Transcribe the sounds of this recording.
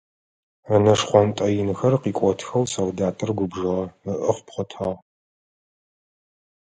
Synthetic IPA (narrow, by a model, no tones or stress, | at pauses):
ɐnɐʂχʷɔntʼɐjɪnxɐrqiːkʷʼɔtʰxɐwsɐwdaːtʼɨrɡʷʊbʒɨʁɐəʔɨχʷpχʷɔtʰaːʁ